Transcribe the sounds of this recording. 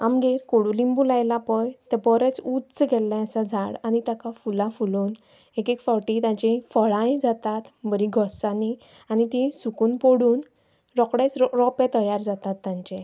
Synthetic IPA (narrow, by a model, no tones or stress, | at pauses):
a̰mɡeɾkoɽulimbulajlapəjt̪ɛbɔɾɛt͡sut͡sɡʱɛlɛ̃əsad͡zʱaɽañit̪akafulãfuluːn | ekekfɔɾʈit̪ãt͡ɕĩfəɭãjd͡zat̪at̪bəɾiɡʱɔsãni | anit̪ĩsukuːnpoɽuːn | ɾɔkɽɛt͡sɾɔpɛ̃t̪əjaɾd͡zat̪at̪ːãɲt͡ɕɛ